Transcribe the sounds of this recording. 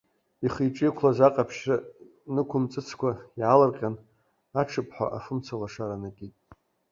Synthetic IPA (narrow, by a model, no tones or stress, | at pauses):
iχijʈ͡ʂʼikʷʰlazaqʼapʰʃra | nɨkʷʰʊmt͡sʼɨt͡sʰkʷʰajʕalarqʲʼan | aʈ͡ʂʰɨpʰʼħʷa̰ʔafɨmt͡sʰalaʂaɾanakʲʼitʼ